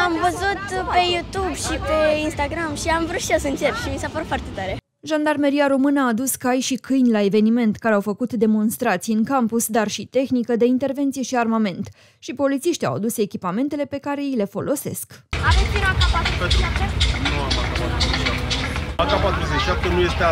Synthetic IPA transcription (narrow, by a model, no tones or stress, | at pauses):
amvəzut̪pe̞jut̪ubʃipe̞inst̪aɡɾamʃiamvɾut̪ʃiasəɨnt͡ʃepp̪ʃimisapəɾut̪foart̪e̞t̪aɾe̞ | ʒand̪armeɾiaɾo̞mɨnəaːd̪uskajʃikɨjnʲlae̞ve̞nime̞nt̪kaɾeawfəkut̪d̪e̞mo̞nst̪ɾat̪sijɨŋkampusd̪arʃit̪e̞xnikəd̪e̞int̪e̞rve̞nt̪sije̞ʃiarmame̞nt̪ | ʃipo̞lit̪siʃt̪ʲa̰wad̪use̞kʲipame̞nt̪e̞le̞pe̞kaɾe̞ile̞fo̞̰lʔo̞se̞̰skad̪ep̪inakapapet̪uuapak̪aaaakapat̪ɾuzeʃiʃap̚t̪enuje̞st̪e